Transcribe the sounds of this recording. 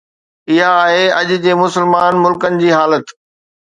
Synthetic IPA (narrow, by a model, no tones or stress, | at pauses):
ɪɦaːɦeɐʄʊ̆d͡ʑeːmʊsəlmaːnmʊlkənɪ̆d͡ʑiːɦaːlət̪